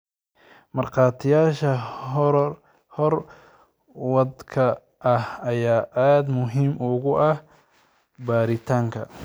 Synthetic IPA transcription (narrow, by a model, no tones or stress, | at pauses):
mɐrqɑːt̪ʰɪjaːʃɐ | hɔr | wɑd̪kʰɐ | ʔɐhɐjaːʔaːd̪mʊɦiːmʊɣʊʔɐh | baːɾɪt̪ʰaːŋkʰɐ̰